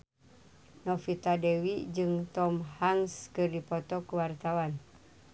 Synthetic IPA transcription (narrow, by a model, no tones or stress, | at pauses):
nɔfit̪adɛwid͡ʒɨŋt̪ɔmhaŋskɨrdipɔt̪ɔkəwart̪awan